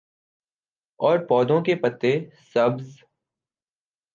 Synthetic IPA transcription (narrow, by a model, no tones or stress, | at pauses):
ɔːɾpɔːd̪õkepət̪ːesəbz